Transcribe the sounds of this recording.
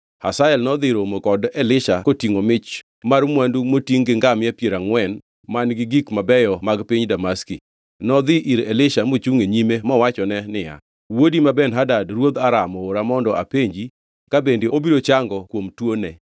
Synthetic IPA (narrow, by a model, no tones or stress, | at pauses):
hasaɛlnɔd̪ɪɾomokɔdɛlɪʃakotiŋomɪt͡ʃ | marmwandumotiŋɡɪŋɡamɪɛpjeɾaŋwɛn | manɡɪɡikmabɛjɔmaɡpiɲdamaski | nɔd̪ɪʔiɾɛlɪʃamot͡ʃuŋeɲimemɔwat͡ʃɔnɛnɪja̰ | wodimabɛnɦadadrwod̪aɾamɔoɾamɔndɔʔa̰peɲd͡ʒi | kabendeobiɾot͡ʃaŋɡɔkwomtwonɛ